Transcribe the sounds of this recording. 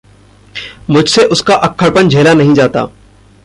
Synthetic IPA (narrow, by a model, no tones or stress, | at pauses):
mʊd͡ʒʱseʔʊskaʔɐkʰːəɽpənd͡ʒʱeːlanɐɦĩd͡ʒaːt̪a̰ː